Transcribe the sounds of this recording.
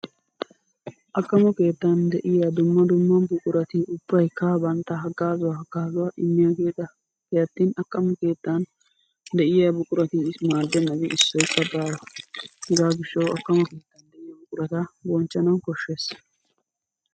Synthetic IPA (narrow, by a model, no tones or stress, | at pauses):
ʔɐkʼːɐmɔke̞ːt̪ːɐnd̪ɛʔɪjad̪ʊmːɐd̪ʊmːɐbʊkʼʊɾɐt̪iʊb̥ːɐjkːɐbɐnt̪ːɐɦɐɡaːzʊwaɦɐɡ̥aːzʊwaʔɪmːɪjaɡe̞ːd̪ɐ | kɛjɐt̪ːinɐkʼːɐmɔke̞ːt̪ːɐn | d̪ɛʔɪjabʊkʼʊɾɐt̪iɪsmaːd̪ːɛnːɐɡɛɪsːɔjkːɐbaːjɐhɛzaːɡɪʃːɐwɐkːɐmɔke̞ːt̪ːɐnd̪ɛʔɪjɐbʊkʼʊɾɐt̪ɐbɔnt͡ʃːɐnɐwkɔʃːeːs